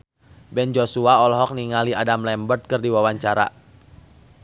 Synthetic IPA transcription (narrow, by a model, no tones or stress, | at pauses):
bɛnd͡ʒosuaɔlɦɔk̚niŋaliʔadamlɛmbərt̪̚kɨrdiwawaɲt͡ʃaɾa̰